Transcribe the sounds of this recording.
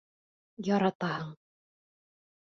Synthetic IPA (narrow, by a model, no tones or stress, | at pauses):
jɒɾɑt̪ɑhɤɴ